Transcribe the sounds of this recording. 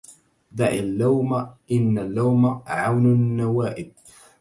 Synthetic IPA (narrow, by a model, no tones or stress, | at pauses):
d̪aʕalːawmaʔɪnːalːawmaʕawnanːawaːʔɪb̚